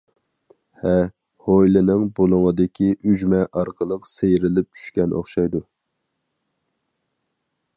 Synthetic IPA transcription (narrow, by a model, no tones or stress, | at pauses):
hɛ | hojlɪnɨŋbolˠʊŋəd̪ɪkʲʰiʔyd͡ʒmɛʔɑɾqʰəlˠəqsejɾɪlɪp̚t͡ʃʰy̥ʃkʲɛnʔo̰χʃɑjd̪u